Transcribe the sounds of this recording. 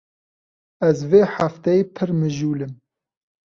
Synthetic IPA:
ɛzveːħaft̪ɛjeːpʰɨɾmɨʒuːlɨm

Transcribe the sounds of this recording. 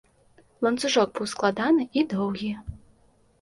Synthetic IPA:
lˠɐnt̪suʐɔɡ̚bɨwsklˠad̪anɨʔid̪ɔwɣʲi

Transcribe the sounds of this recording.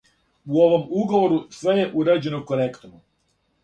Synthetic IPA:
uo̞ʋo̞muɡo̞ʋo̞ɾusʋe̞je̞ʔuɾad͡ʑe̞nokoɾekt̪omu

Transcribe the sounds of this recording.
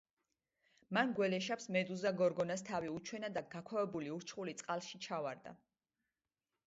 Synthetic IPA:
manɡwɛlɛʃapsmɛd̪uzaɡɔɾɡɔnast̪ʰaviut͡ʃʰwɛnad̪aɡakʰwavɛbuliuɾt͡ʃʰχulit̪sʼqʼalˠʃit͡ʃʰavaɾd̪a̰

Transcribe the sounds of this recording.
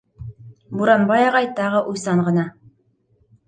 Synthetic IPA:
buɾɑnbɑjɑʁɑjt̪ɑʁɤʔujsɑɴɢɤ̆nɑ

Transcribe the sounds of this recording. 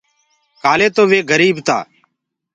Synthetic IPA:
kaːleːt̪oːʋeːɡəɾiːbt̪a̰ː

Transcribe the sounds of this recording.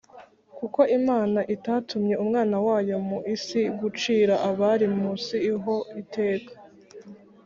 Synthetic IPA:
kuko̞ʔimaːnaʔitaːtʰumɲe̞umŋaːnawaːjo̞muʔisiɡut͡ʃiːɾaʔaβaɾimusiːɦo̞itʰe̞ːkḁ

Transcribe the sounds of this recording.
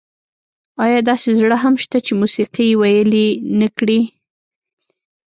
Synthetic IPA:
ɑjɑd̪ɑsezɽəɦamʃt̪at͡ʃemusiqijewajəlinəkɽi

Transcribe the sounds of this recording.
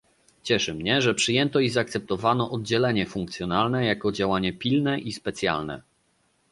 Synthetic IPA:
t͡ɕɛʂɘmɲɛʐɛpʂɘjɛnt̪ɔizaːk̚t̪sɛp̚t̪ɔvanɔʔɔd̪̚d͡ʑɛlɛɲɛfuŋkt̪sʲjɔnalnɛjakɔd͡ʑawaɲɛpʲilnɛʔispɛt̪sʲja̰lnɛ̰

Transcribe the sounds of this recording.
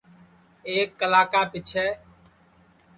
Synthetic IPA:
eːkːəlaːkaːpɪt͡ʃʰɛː

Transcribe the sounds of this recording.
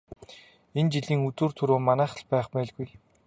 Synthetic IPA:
ent͡ɕiɮiːŋut͡s̪uːrt̪ʰɵɾoːmanæːχə̆ɮpæːχpæːɮɡuj

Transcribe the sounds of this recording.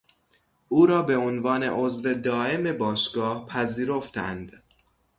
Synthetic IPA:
ʔuːɾɒːbe̞onvɒːne̞̰ʔozɾe̞d̪ɒːʔe̞me̞bɒːʃɡ̥ɒːhpʰæziːɾo̞ft̪æ̰nd̪̥

